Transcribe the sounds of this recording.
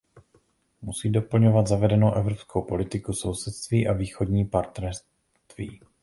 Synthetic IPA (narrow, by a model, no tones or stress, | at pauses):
musiːdo̞pl̩ɲo̞vad̪zavɛdɛnowʔɛvɾopskʰowpo̞lɪt̪ɪkuso̞wsɛt̪st̪viːʔaviːxo̞dɲiːpaɾt̪nɛɾs | t̪vḭː